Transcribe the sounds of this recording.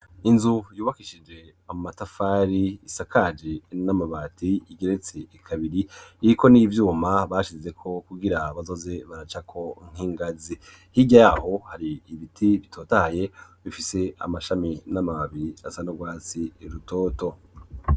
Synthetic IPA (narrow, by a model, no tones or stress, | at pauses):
inzujuːβakiʃid͡ʒe̞ | amatafaɾiisakʰad͡ʒenamaβaːtʰiiɡe̞ɾe̞t͡se̞ːkʰaβiɾiiɾikʰo̞nivjuːmaβaʃize̞kʰo̞kuɡiɾaβazo̞ze̞βaɾat͡ʃakʰo̞ŋ̥iŋɡazi | hiɟajaho̞haɾiiβitʰiβitʰo̞ːtahaje̞βifise̞a̰maʃaminamaβiɾiasanoɡwaːt͡siːɾutʰo̞ːto̞